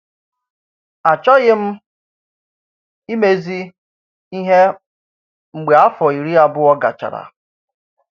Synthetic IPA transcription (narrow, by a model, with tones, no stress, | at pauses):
a˨t͡ʃɔ˦ɣɪ˦m̩˦ | i˦me˦zi˦ | i˦ɦe˦ | ŋ͡m̩˨ɡ͡be˨a˦fɔ˨i˨ɾi˦a˨bʊ˦ɔ˦ɡa̰˨t͡ʃa̰˨ɾa̰˨